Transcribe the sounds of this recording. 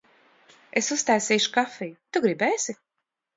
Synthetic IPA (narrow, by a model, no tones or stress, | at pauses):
esust̪ajsiːʃu̥kafijt̪uɡɾibɛːsi